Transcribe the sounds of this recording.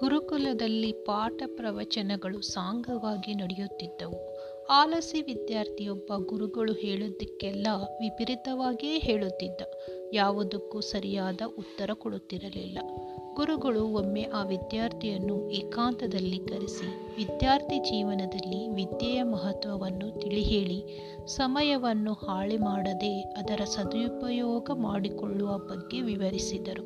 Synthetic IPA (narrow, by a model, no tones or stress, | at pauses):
ɡ̥uɾukulɐd̪ɐlːipaːʈɐpɾɐʋɐt͡ʃɐnɛɡɐɭusaːŋɡɐʋaːɡinɔɽɛjut̪ːid̪ːɐʋu | aːlɐsiʋid̪jaːɾt̪ʰijɔbːɐɡuɾuɡɐɭuheːɭud̪ːɐkːɛlːɐʋipiɾit̪ɐʋaːɡeːɦeːɭut̪ːid̪ːɐ | jaːʋud̪ukːusɐɾijaːd̪ɐʔut̪ːɐɾɐkɔɽut̪ːiɾɐlḭlːɐ | ɡ̥uɾuɡɐɭuomːeʔaːʋid̪jaːɾt̪ʰijɐnːuʔeːkaːnt̪ɐd̪ɐlːikɐɾisi | ʋid̪jaːɾt̪ʰid͡ʒiːʋɐnɐd̪ɐlːiʋid̪jɛjɐmɐɦɐt̪ʋɐʋɐnːut̪iɭiɦe̞ːɭi | sɐmɐjɐʋɐnːuhaːɭimaːɽɐd̪e̞ɐd̪ɐɾɐsɐd̪jupɐjɔːɡɐmaːɽikɔɭːuʋɐbɐɡːe̞ʋiʋɐɾisid̪ɐɾu